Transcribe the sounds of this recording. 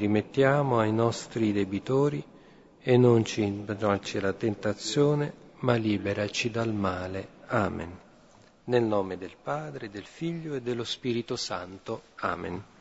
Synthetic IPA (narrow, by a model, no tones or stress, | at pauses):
rimet̪ːjaːmoajnɔst̪ɾid̪ebit̪oːɾi | enːont͡ʃiat͡ʃilat̪ent̪at̪sjoːnemalːiːbeɾat͡ʃid̪almaːleaːmḛn | nelnɔːmed̪elpaːd̪ɾed̪elfiʎːoed̪ːelːospiːɾit̪osant̪oa̰ːmḛn